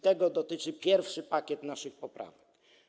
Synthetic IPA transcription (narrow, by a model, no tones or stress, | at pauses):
t̪ɛɡɔd̪ɔt̪ɘt͡ʂɘpʲjɛɾfʂɘpakʲjɛt̪naʂɘxpɔpɾa̰vɛk